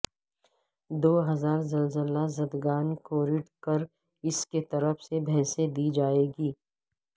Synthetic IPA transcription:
d̪oːɦɐzaːɾzɐlzəlazɐd̪ɡaːnkoːɾɪʈkɐɾ | ɪsket̪ɐɾəfʰsebʱɛ̃ːsed̪iːd͡ʒaːeːɡiː

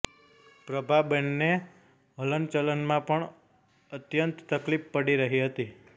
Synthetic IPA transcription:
pɾəbʱabənne | ɦələnt͡ʃələnmãpəɳ | ət̪jənt̪t̪əklippəɽiɾəɦiɦət̪i

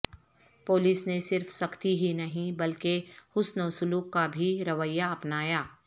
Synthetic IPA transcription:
poːlɪsnesɪɾfsɐkt̪iɦinɐɦĩbɐlkehʊsnɐʋsʊluːkːabʱiɾɐʋəjːaɐpnaːjaː

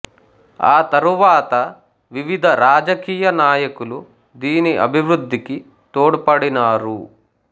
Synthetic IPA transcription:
aːt̪ɐɾuʋaːt̪ɐ | ʋiʋid̪ʱɐɾaːd͡ʒɐkiːjɐnaːjɐkulu | d̪iːniʔɐ̰bʱiʋɾud̪ʱːiki | t̪oːɽpɐɽinaːɾu

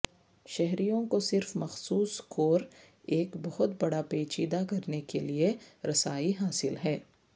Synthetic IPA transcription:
ʃɛɦɾijõkosɪɾfmɐxsuːskoːɾ | eːkbɐɦʊt̪bɐɽapeːt͡ʃiːd̪akɐɾnekelieɾɐsaːiɦaːsɪlɦɛː

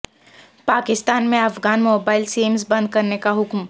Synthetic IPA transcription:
paːkɪst̪aːnmẽɐfɡaːnmoːbaːɪlseːmsbɐ̃nd̪̚kɐɾnekaɦʊkm

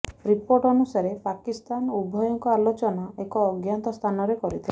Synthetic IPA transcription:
ɾipoɾʈɔnusaɾepakist̪anubʱɔjɔŋkɔalot͡ʃɔnaekɔːɡjant̪ɔst̪ʰanɔɾekɔɾit̪ʰil

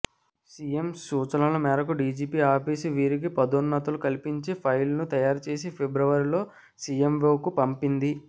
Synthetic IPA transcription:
sijemsuːt͡ʃɐlɐlɐmɛːɾɐkuɖiːd͡ʒiːpiaːpiːsuʋiːɾik̬ipɐd̪unːɐt̪ɐlukɐlipiɲt͡ʃipʰɐjlnut̪ɐjaːɾut͡ʃe̞ːsipʰebɾɐʋɐɾilo̞ː | sijemʋoːkupɐmpind̪i

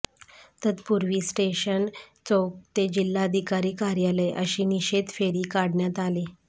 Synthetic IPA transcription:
t̪ət̪puɾʋiːsʈeɕənt͡sowk̚t̪ed͡ʑilːaəd̪ʱikaɾiːkaɾjaleʔəɕiːniɕed̪feɾiːkaɽɳjat̪ali

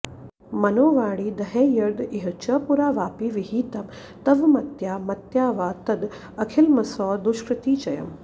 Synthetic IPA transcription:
mɐnoːʋaːɽiːd̪ɐɦeːjɐɾd̪iɦɐt͡ʃɐːpuɾaːʋaːpiʋiɦiːt̪ɐm | t̪ɐʋmɐt̪jaːmɐt̪jaːʋaːt̪ɐd̪ | ɐkʰilmɐsɔːd̪uʃkɾɪt̪iːt͡ʃɐjɐ̰m

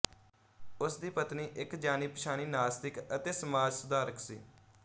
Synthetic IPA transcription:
ʊsd̪iːpət̪niːʔɪkd͡ʒaːniːpəʃaːniːnaːst̪ɪkət̪eːsəmaːd͡ʒsʊd̪aːɾəkʰsḭː

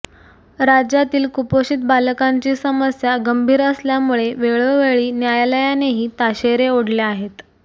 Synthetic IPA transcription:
ɾad͡ʑjat̪iːlkupoɕiːt̪̚balkaɲt͡ɕiːsəməsjaɡəmbʱiːɾəsljamuɭeʋeɭoʋeɭiːnjajləjaneɦiːt̪aɕeɾeoɽleaɦet̪

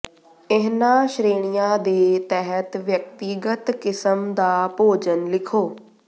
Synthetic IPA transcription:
ɪɦnãːʃɾeːɽ̃ijãːd̪eːt̪ɛɦət̪ʋjək̚t̪iɡət̪kɪsəmd̪aːpoːd͡ʒənlɪkʰoː

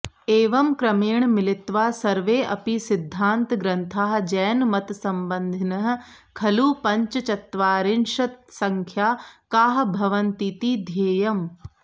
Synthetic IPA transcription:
eːʋɐmkɾɐmiːɳmɪlit̪ʋaːsɐɾʋeːʔɐpisid̪ʱːaːnt̪ɡɾɐnt̪ʰaːɦɐ̆d͡ʒɛːnmɐt̪sɐmbɐnd̪ʱinɐɦɐ̆ | kʰɐluːpɐɲt͡ʃɐt͡ʃɐt̪ʋaːɾinʂɐt̪sɐŋkʰjaːkaːɦɐbʱɐʋɐnt̪it̪id̪ʱjeːjɐm

